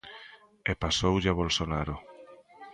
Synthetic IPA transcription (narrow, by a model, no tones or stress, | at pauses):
epasowʎaβolsonaɾo